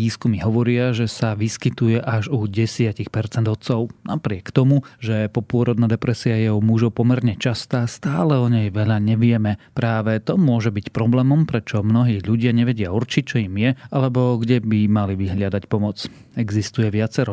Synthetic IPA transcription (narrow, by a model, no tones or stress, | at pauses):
iːskumiɦɔʋɔɾɪaʒɛsaʋiskit̪ujɛʔaʒuɟɛsɪacixpɛɾt͡sɛnd̪ɔt̪t͡sɔʊnapɾɪɛkt̪ɔmuʒɛpɔpʊɔɾɔd̪naːd̪ɛpɾɛsiajɛɔmuʒɔʊpɔmɛɾɲɛt͡ʃast̪aːst̪aːlɛɔɲɛjʋɛʎaɲɛʋɪɛmɛpɾaːʋɛt̪ɔmʊɔʒɛbicpɾɔblɛːmɔmpɾɛt͡ʃɔmnɔɦiːʎuɟɪaɲɛʋɛɟɪauɾt͡ʃic̚t͡ʃɔimjɛalɛbɔɡɟɛbimaliʋiɦʎɪad̪acpɔmɔt͡s | ɛɡzist̪ujɛʋɪat͡sɛɾɔ